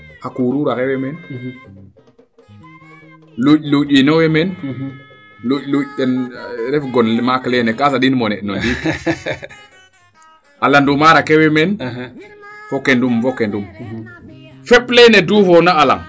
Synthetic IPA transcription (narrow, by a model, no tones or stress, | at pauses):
akuɾuɾakewemɛn | luɟluɟinowemen | luluɟtenɾɛfɡonlmakleːnɛkasaɗinmonɛʔnondi | alandumaɾakewemen | fokendumfokendum | fɛpleneduːfonaala̰ŋ